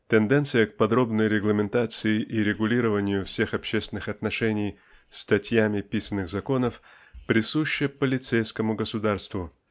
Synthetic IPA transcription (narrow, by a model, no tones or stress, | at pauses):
t̪ɪnd̪ɛnt̪sɨjəkpɐd̪ɾo̞bnəjɾʲɪɡlˠəmʲɪnt̪at̪sɨɪʔiɾʲɪɡʊlʲiɾəvənʲɪjʊfsʲe̞xɐpɕest̪vɪnɨxɐt̪nɐʂɛnʲɪj | st̪ɐtʲjamʲɪpʲisənːɨɣzɐko̞nəf | pɾʲɪsuɕːəpəlʲɪt̪sejskəmʊɡəsʊd̪arst̪vʊ